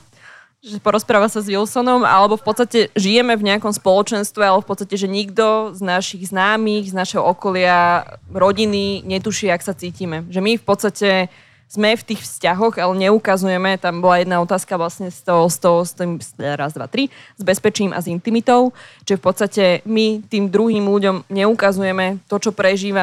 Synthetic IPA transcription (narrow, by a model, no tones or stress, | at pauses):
ʒɛpɔɾɔspɾaːʋasazʋilsɔnɔma̰lɛbɔfpɔt̪st̪acɛʒijɛmɛvɲɛakɔmspɔlɔt͡ʃɛnst̪ʋɛalɛbɔfpɔt̪t͡sst̪acɛʒɛɲiɡd̪ɔznaʃiɣznaːmiːɣznaʃɛɦɔɔkɔlɪaɾɔɟiniɲɛt̪uʃɪɛaksat͡siːcimɛʒɛmifpɔt̪st̪acɛ | z̥mɛft̪iːxfscaɦɔɣalɛɲɛukazujɛmɛt̪ambɔlajɛd̪naɔt̪aːskaʋlasɲɛst̪ɔɦɔst̪ɔst̪sɾazd̪ʋa̰t̪ɾizbɛspɛt͡ʃiːmʔa̰zint̪imit̪ɔʊt͡ʃiʒɛfpɔt̪st̪acɛmit̪iːmd̪ɾuɦiːmluɟɔmɲɛukazujɛmɛt̪ɔt͡ʃɔpɾɛʒiːʋa